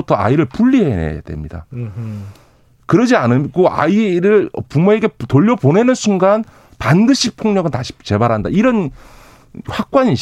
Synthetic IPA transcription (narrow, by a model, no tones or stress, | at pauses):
utʰʌa̰iɾɯɭpuʎːiɦenḛja̰de̞̰mɲida̰ | kɯɾʌd͡ʑianɯɡoʔa̰iɾɯɭʌpumoe̞ɡe̞toʎːʌpone̞nɯnsʰuŋɡan | pandɯɕʰipʰoŋɲʌɡɯɭtaɕʰi̥t͡ɕe̞baɾɦanda̰iɾʌn | ɸwak̚k͈waɲi